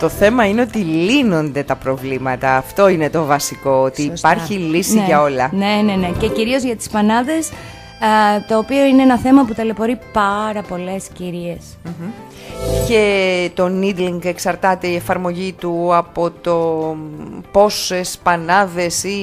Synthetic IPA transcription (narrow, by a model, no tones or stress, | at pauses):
t̪o̞θe̞mɐine̞o̞t̪ilino̞nd̪e̞t̪ɐpɾo̞vlimɐt̪ɐːft̪o̞ine̞t̪o̞vɐsiko̞ot̪iːpɐɾçilisiʝɐo̞lɐnenenece̞ciɾio̞zʝɐt̪i̥spɐnɐðe̞s | t̪o̞ːpio̞ineenɐθe̞mɐput̪ele̞po̞ɾipɐɾɐpo̞le̞sciɾie̞s | m̩ | ce̞t̪o̞nid̪liŋɡe̞ksɐɾt̪ɐt̪e̞iefɐɾmo̞ʝit̪uɐpo̞t̪o̞ | po̞se̞spɐnɐðe̞si